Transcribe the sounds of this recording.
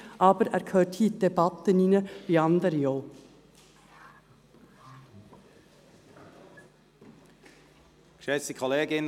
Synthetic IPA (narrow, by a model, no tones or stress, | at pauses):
ʔɑːbəɾæ̰ːɾkʰøːʈhiːt̪̚d̪ɛbɑt̪əniːnəʋiːɑnd̪əɾəjoː | ʃɛsəkʰɔleːɡɪn